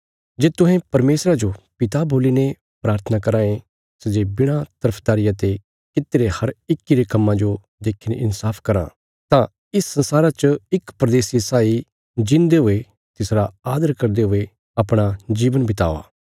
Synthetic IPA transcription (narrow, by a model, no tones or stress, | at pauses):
d͡ʒeːt̪ʊɦɛ̃pɐɾmeːsɾad͡ʒopɪt̪aboːline | pɾaːɾt̪ʰənakɐɾãːẽ | sed͡ʒeːbɪɽ̃at̪ɐɾəpʰd̪aːɾɪjat̪e | kɪt̪ːeɾehɐɾɪkːiɾekɐmːãd͡ʒo | d̪eːkʰːɪnʔɪ̰nsaːpʰkɐɾã̰ | t̪ã | ɪsːɐ̃nsaːɾat͡ʃɪkpɾɐd̪eːsjesaːi | d͡ʒɪ̃nd̪eɦʊe | t̪ɪsɾaaːd̪əɾkɐɾd̪eɦʊe | ɐpɽ̃ad͡ʒiːʋənbɪt̪a̰ːo̰a̰ː